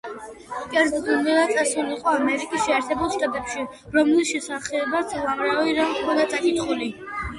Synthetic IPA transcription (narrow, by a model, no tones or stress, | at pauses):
kʼɛɾd̪ɔd̪ulˠmiɾad̪sʼasuliqʼɔamɛɾikʼisʃɛaɾt̪ʰɛbulˠʃt̪ʼat̪ʼɛpʃi | ɾɔmlilˠʃɛsaχɛbasʼɛlˠamɾaiɾamχʰmɔd̪at̪sʼakʼit̪χuli